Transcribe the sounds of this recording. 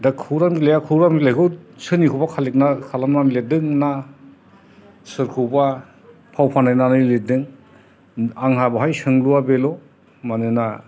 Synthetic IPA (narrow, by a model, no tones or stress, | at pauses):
dakʰuɾamɡilajakʰɯɾamɡilajkʰɯwsɯnikʰubakʰalik̚nakʰalamnanledɯŋna | sɯɾkʰɯba | pʰawpʰanajnanɯledɯŋ | aŋɦabaɦajsɯŋluabelɔ | manɯna